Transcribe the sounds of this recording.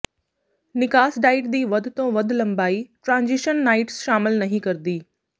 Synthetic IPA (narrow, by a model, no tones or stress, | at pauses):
nɪkaːsɖaːɪʈ̚d̪iːʋɐd̪ʱt̪õʋɐd̪ʱlɐ̃mbaːiʈɾãːnzɪʃənːaːɪʈsʃaːmɪlnɐɦĩkɐɾd̪iː